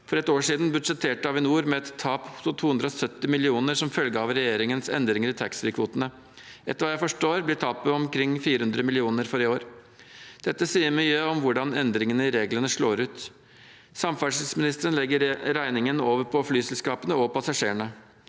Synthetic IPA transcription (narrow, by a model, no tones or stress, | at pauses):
fɔɾɛt̪oːʂiːd̪nbʉd̪ʂɛt̪ʰːeːʈəɑʋɪnuːɾmɛɛt̪ʰːɑːpʊsʊt̪ʰuːʉnd̪ɾəɔsœt̪ːɪmɪlɪuːnəɾsɔmfœlɡəɑʋɾɛjeːɾɪŋənsɛ̰nd̪ɾɪŋəɾɪt̪ʰɑksɪkʰʋuːt̪ənə | ʔɛt̪ːəɾʋɑːjæɪfɔʂʈoːɾblɪʈ̪ʰɑːpəɔmkʰɾɪŋːfiːɾəhʉnd̪ɾəmɪlɪuːnəɾfɔɾɪoːɾ | d̪̥ɛt̪ːəsiːəɾmyːəɔmʋʊɖɑnɛnd̪ɾɪŋənəɾeːɡlənəʂɭoːɾʉːt̪ | sɑmfɑʂɪsmɪnɪst̪əɾənlɛɡːəɾɾæɪnɪŋənoːʋəɾpʰɔflyːsɛlskɑːpənəɔpɑsɑʂeːəɳə